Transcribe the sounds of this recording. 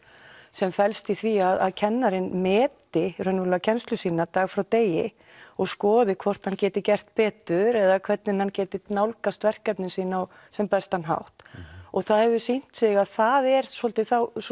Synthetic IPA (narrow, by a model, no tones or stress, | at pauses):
sɛmfɛlst̪iθviaða̰ðcʰɛnːaɾɪnmɛːt̪ɪrœnʏlacʰɛnst̪lʏsiːnat̪aːɣfɾawt̪eːjɪ̰ | ɔɣskɔːðɪkʰvɔr̥t̪hancɛːt̪ɪcɛr̥t̪̚pɛːt̪ʏɾɛðakʰvɛt̪nɪnhancɛːt̪ɪnawlkast̪vɛr̥kɛpnɪnsiːnaɔ | sɛmpɛst̪hanɦa̰wht̪ɔɣθaðhɛvʏsin̥t̪sɪɣaðθaðɛɾsɔlt̪ɪθaw